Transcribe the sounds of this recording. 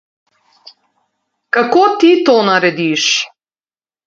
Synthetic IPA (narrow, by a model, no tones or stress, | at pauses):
kakot̪it̪ɔnaɾɛd̪iʃ